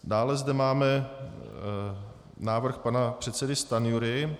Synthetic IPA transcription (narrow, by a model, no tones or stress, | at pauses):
daːlɛzdɛmaːmɛ | naːvr̩xpanapr̝̥ɛt̪sɛdɪst̪anɪjuɾɪ